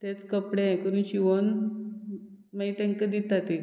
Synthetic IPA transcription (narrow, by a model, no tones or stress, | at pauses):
t̪et͡skəpɽẽkəɾuːnɕiʋon | mait̪ɛ̃ŋkəd̪it̪at̪e